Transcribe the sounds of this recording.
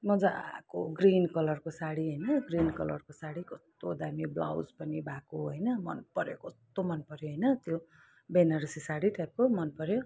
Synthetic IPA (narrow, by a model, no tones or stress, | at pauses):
mʌd͡zako̰ɡrinkʌlʌrkosaɽiɦʌjnʌɡrinkʌlʌ̰rkosaɽikʌst̪od̪amibla̰wd͡zpʌnibakoɦʌjnʌmʌ̰npʌɾjokʌst̪omʌnpʌɾjoɦʌjnʌt̪jo | benʌɾsisaɽiʈʰap̚komʌnpʌɾjo